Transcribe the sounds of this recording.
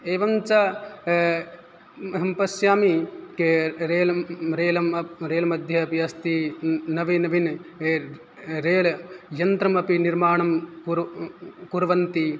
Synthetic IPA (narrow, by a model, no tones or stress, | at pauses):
eːʋɐmt͡ʃɐ | ɦɐmpɐsjaːmikeɾeːlɐɾeːlɐmɾeːlɐmɐd̪ʱjɐːpiɐst̪inɐʋinɐʋin | ɾeːlɐjɐnt̪ɾɐmɐpiniɾmaːɳɐmkuɾkuɾʋɐnt̪i